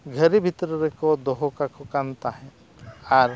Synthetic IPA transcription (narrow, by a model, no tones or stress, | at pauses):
ɡʱəɾibʱit̪ɾɔɾekɔd̪ɔɦɔkakɔkant̪aɦɛ̃ | aɾ